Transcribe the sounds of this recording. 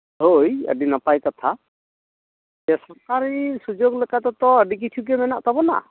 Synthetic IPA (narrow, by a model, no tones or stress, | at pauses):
ɦojə̰ɖinapajkɔt̪ʰa | d͡ʒɛsɔɹkaɾisud͡ʒoɡlekat̪ɔt̪ɔəɖik̬it͡ʃʰuk̬ɛmɛna̰ʔpabɔna̰